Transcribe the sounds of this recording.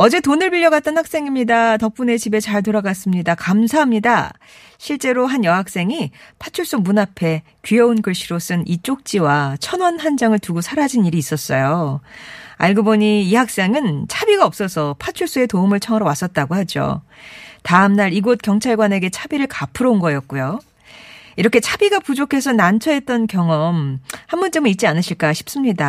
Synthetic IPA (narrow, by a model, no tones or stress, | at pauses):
ʌd͡ʑe̞tonɯɭbiʎːjʌɡat̚t͈ʌnhak̚s͈e̞ŋimɲidatʌp͈une̞t͡ɕibe̞t͡ɕaɭtoɾaɡas͈ɯmɲidakamsʰaɦamɲida | ɕʰiɭt͡ɕ͈e̞ɾoɦanjʌɦak̚s͈e̞ŋipʰat͡ɕʰuɭs͈umunapʰe̞ | kɥijʌunkɯɭɕ͈ʰiɾos͈ɯnʔit͡ɕ͈ok̚t͡ɕ͈iwat͡ɕʰʌnwʌnhand͡ʑaŋɯɭtuɡosʰaɾad͡ʑiniɾiːs͈ʌs͈ʌjo | a̰ɭɡoboɲiiɦak̚s͈eŋɯnt͡ɕʰabiɡaʌp̚s͈ʌsʰʌpʰat͡ɕʰuɭs͈ue̞toumɯɭt͡ɕʰʌŋʌɾowas͈ʌt̚t͈aɡohad͡ʑo̰ | taɯmnaɾiɡot̚k͈jʌŋt͡ɕʰaɭɡwane̞ɡe̞t͡ɕʰabiɾɯɭkapʰɯɾounɡʌjʌt̚k͈ujo | iɾʌkʰe̞t͡ɕʰabiɡapud͡ʑokʰe̞sʰʌnant͡ɕʰʌe̞t̚t͈ʌnkjʌŋʌmhambʌnt͡ɕʌmit̚t͡ɕ͈ianɯɕʰiɭk͈aɕʰi̥p̚s͈ɯmɲida